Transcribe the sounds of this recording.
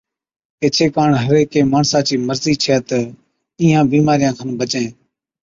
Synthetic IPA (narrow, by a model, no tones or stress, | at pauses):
eːt͡ʃʰeːkaːɳɦəɾeːkeːmaːɳsãːt͡ʃiːməɾziːt͡ʃʰeːt̪ə | iːãːbiːmaːɾɪjãːkʰanbət͡ʃẽː